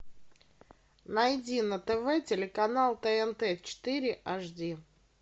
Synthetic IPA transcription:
nɐjdʲinət̪ɛvɛtʲɪlʲɪkɐnalˠt̪ɛɛnt̪ɛt͡ɕɪ̥t̪ɨɾʲɪʔaʐdʲi

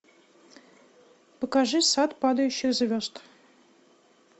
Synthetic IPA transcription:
pəkaʐɨsat̪pɑd̪əjʉɕːɪzvʲost̪

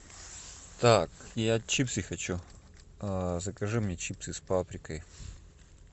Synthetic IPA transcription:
t̪akjat͡ɕipsɨxɐt͡ɕu | zɐkɐʐɨmnʲet͡ɕipsɨspapɾʲɪkəj

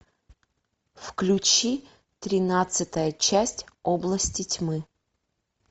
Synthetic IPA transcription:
fklʲʉt͡ɕi | t̪ɾʲɪnat̪sɨt̪əjət͡ɕæsʲtʲoblˠəsʲtʲɪtʲmɨ

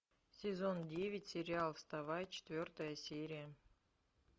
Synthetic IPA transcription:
sʲezondʲevʲɪtʲsʲɪɾʲɪalˠfst̪ɐvajt͡ɕɪ̥t̪ʲvʲort̪əjəsʲeɾʲɪjə

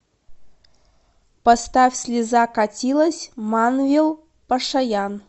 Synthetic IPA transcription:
past̪afʲsʲlʲizakatʲilˠəsʲmɑnvʲilˠ | paʂajan

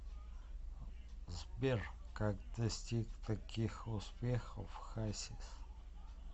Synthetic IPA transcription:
zbʲerkakd̪ɐsʲtʲikt̪ʰakʲʰixʊspʲexofxasʲis

